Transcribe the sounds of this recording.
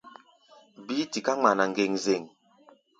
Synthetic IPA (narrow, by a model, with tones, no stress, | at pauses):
bi˦ti˨ka˦ŋ͡ma˨na˨ŋ˨ɡe˨ŋze˨ŋ